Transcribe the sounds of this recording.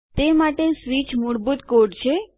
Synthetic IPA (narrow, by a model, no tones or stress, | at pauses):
t̪emaʈesʋit͡ʃmuɽbut̪koɖt͡ʃʰe